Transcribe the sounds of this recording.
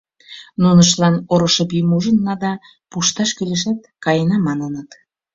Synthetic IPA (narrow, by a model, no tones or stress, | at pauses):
nunəʃ̬lɑnoɾoʃɤpimuʒənːɑd̪ɑ | puʃt̪ɑʃkyleʃæt̪̚kɑjənɑmɑnənət̪